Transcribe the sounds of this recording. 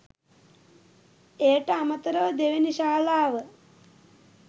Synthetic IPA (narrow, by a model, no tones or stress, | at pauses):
eːʈɐamɐt̪ɐɾɐʋd̪eʋeniʃaːlaːʋə